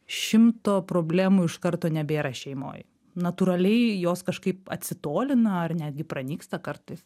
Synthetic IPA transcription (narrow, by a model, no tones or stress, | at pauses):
ʃʲɪmt̪oːpɾoːbʲlʲæːmuːɪʃkɐɾt̪oːnʲɛbʲeːɾɐʃʲɛɪmo̰ːj | nɐt̪uːɾɐlʲɛɪjoːskɐʃkɐɪp̚ɐ̰t̪ʲsʲɪt̪oːlʲɪnɐɐrnʲæːd̪ʲɡʲɪpɾɐnʲiːkst̪ɐkɐɾt̪ɐɪs